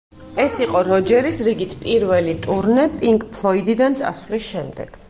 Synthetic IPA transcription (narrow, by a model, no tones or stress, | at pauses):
ɛsiqʼɔɾɔd͡ʒɛɾisɾiɡit̪ʰpʼiɾvɛlit̪ʼuɾnɛpʼiŋkʼpʰlˠɔid̪id̪ant̪sʼa̰svlisʃɛmd̪ɛ̰ɡ̥